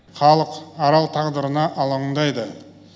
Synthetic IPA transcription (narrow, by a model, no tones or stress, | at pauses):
χɑlˠəqɑɾɑlˠt̪ʰɑʁd̪əɾənɑʔɑlˠəɴɴd̪ɑjd̪ə